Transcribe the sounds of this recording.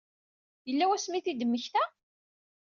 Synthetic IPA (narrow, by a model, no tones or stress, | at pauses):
jəlːæwæsmiθid̪əmːəçθæ